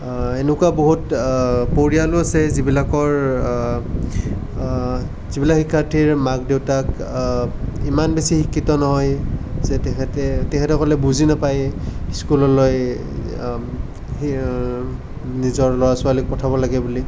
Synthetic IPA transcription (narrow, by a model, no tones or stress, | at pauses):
enʊkuaboɦutpoɹialʊasɛzibilakɔɹ | zibilaxikʰːaɹtʰiɹmaɡdewtak | imanbesixikʰːitɔnɔɦɔjzɛtɛɛtɛtɛkʰɛtɔkɔlɛbuzinapajskulɔloj | nizɔɹlɔwasʊalik̚pɔtʰabɔlaɡɛbuli